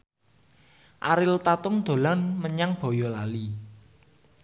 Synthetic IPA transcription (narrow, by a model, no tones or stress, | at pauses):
ʔaɾɪlt̪at̪ʊmd̪̥o̤lanməɲaŋb̥ɔ̤jɔlali